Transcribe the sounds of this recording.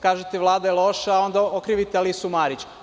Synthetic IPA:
kaːʒet̪eʋlˠaːd̪ajelo̞ʃao̞nd̪aokɾiʋit̪ealisumaɾit͡ɕ

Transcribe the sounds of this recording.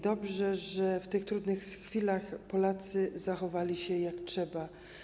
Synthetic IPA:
d̪ɔbʐɛʐɛft̪ɘxt̪ɾud̪nɘxxfʲilaxpɔlat̪sɘzaxɔvalʲiɕɛjaktʂɛba

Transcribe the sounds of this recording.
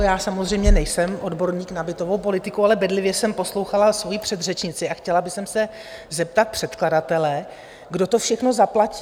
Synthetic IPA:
jaːsamozrɛjmɲɛnɛjsɛmʔo̞dbo̞ɾɲiːknabɪt̪o̞vowpo̞lɪt̪ɪkualɛbɛdlɪvjɛsɛmpo̞slo̞wxalasvo̞jipr̥ɛd̪r̝ɛt͡ʃɲɪt͡sɪaxcɛlabɪsɛmsɛ | zɛp̚t̪at̪̚pr̥ɛt̪kladat̪ɛlɛ | ɡdo̞t̪o̞fʃɛxno̞zaplaci̥

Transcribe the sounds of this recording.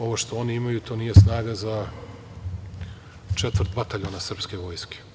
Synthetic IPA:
o̞ʋoʃt̪o̞o̞niimajut̪ʰo̞ːniːje̞snaːɡaza | t͡ʃet̪ʋr̩t̪bat̪aʎonasr̩pske̞ʋo̞ːjske̥

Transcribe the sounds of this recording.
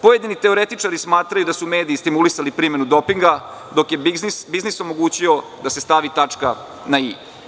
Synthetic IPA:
pojed̪init̪e̞o̞ɾe̞t̪it͡ʂaɾismaːt̪ɾajud̪asume̞ːd̪iːst̪imulisalipɾiːme̞nud̪o̞piŋɡa | d̪o̞kje̞zsbizniso̞mo̞ɡuːt͡ɕio̞d̪ase̞st̪aʋit̪at͡ʂka | naiː

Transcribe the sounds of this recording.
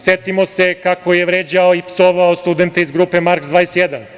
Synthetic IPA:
set̪imo̞se̞kakojeʋɾeːd͡ʑaoipsoʋaost̪ud̪e̞nt̪eizɡɾupe̞maɾkzd̪ʋaːjesjed̪an

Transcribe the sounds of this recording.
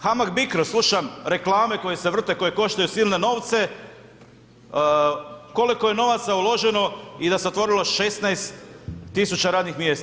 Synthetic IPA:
xamaɡbikɾoslˠuʃamɾe̞klˠaːme̞ko̞jeseʋr̩t̪e̞ko̞je̞ko̞ʃt̪ajusiːlne̞no̞ːʋt̪se̞ | ko̞likoje̞no̞ʋat̪saulˠo̞ʒe̞no̞id̪aseot̪ʋo̞ɾilo̞ʃest̪najst̪ːisut͡ʃaɾaːd̪nixmje̞ːst̪a

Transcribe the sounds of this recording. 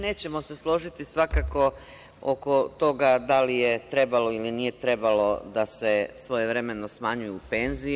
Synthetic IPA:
ne̞ːt͡ɕe̞mo̞se̞slˠo̞ʒit̪isʋakako̞ | o̰ko̞t̪o̞ɡad̪alijet̪ɾe̞balo̞ilinije̞t̪ɾe̞balo̞d̪ase̞sʋo̞jeʋɾe̞me̞no̞smaɲujuupe̞nzi

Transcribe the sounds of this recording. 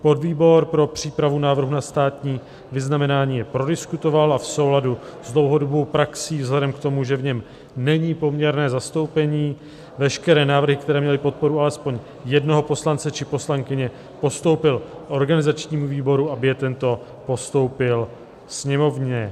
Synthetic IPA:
po̞dviːbo̞ɾpɾo̞pr̝̥iːpɾavunaːvr̩ɦunast̪aːt̪ɲiː | vɪznamɛnaːɲiːjɛpɾo̞dɪskut̪o̞valʔafso̞wladuzdlo̞wɦo̞do̞bo̞wpɾaksiːvzlɛdɛmkt̪o̞muʒɛvɲɛm | nɛɲiːpo̞mɲɛɾnɛːzast̪o̞wpɛɲiː | vɛʃkɛɾɛːnaːvr̩ɦɪk̚t̪ɛɾɛːmɲɛlɪpo̞t̪̚po̞ɾualɛspo̞ɲ | jɛdno̞ɦo̞po̞slant͡sɛt͡ʃɪpo̞slaŋkɪɲɛ | po̞st̪o̞wpɪlko̞ɾɡanɪzat͡ʃɲiːmuviːbo̞ɾuabɪjɛt̪ɛnt̪o̞ | po̞st̪o̞wpɪl | sɲɛmo̞vɲɛ

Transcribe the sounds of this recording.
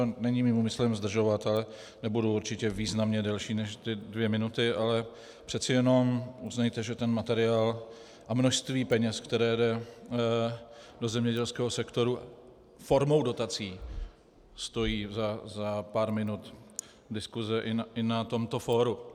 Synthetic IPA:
t̪onɛɲiːmimumɪslɛmzd̪r̩ʒo̞vat̪alɛ | nɛbuduuɾt͡ʃɪcɛviːznamɲɛdɛlʃiːnɛʃt̪ɪdvjɛmɪnut̪ɪʔalɛ | pr̥ɛt̪t͡sɪjɛno̞muznajt̪ɛʒɛt̪ɛnmat̪ɛɾɪaːl | ʔamnoʃst̪viːpɛɲɛskt̪ɛɾɛːjdɛ | do̞zɛmɲɛɟɛlskɛːɦosɛkt̪o̞ɾua̰ | fo̞ɾmo̞wdo̞t̪at͡siː | st̪o̞jiːzazapaɾmɪnut̪ | dɪskuzɛʔɪɪnat̪o̞mt̪o̞foːɾu

